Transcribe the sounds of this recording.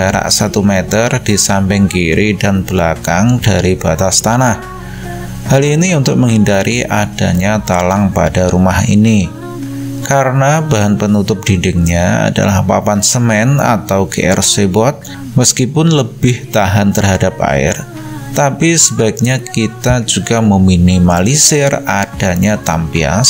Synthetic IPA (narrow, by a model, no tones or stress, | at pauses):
aɾa̰ʔsat̪umet̪ərdisampɪŋkiɾidanbəla̰kaŋdaɾibat̪ast̪anah | haliniunt̪ʊk̚məŋɦhindaɾʔiʔad̥a̰ɲat̪alaŋpa̰daɾumahḭni | kaɾənabaɦanpənut̪ʊp̚d̥idɪŋɲaa̰da̰lahpapansəmɛna̰t̪awɡḛʔɛ̰rsebɔt̪̚ | məskipʊnləbɪht̪aɦant̪ərɦadap̚a̰ɪ̰r | t̪apisəbaɪk̚ɲakit̪ad͡ʒuɡaməminimalisɪrad̥aɲat̪a̰mpia̰s